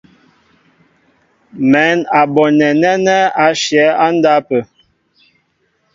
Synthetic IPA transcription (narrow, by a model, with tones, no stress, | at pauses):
mɛ˨˦na˨bɔ˨nɛ˨nɛ˦nɛ˦a˨ʃjɛ˨˦a˦nda˦pə˨